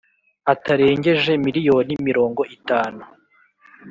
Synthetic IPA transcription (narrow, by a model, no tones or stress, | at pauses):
ataɾe̞ːɲɟe̞ʒe̞miɾijo̞ːnimiɾo̞ːŋɡo̞ʔitaːnu